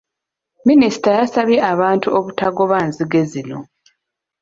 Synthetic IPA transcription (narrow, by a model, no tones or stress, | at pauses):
minisi̥tajasaβjeʔaβaːntuoβutaɡo̞βaːnziɡe̞zino̞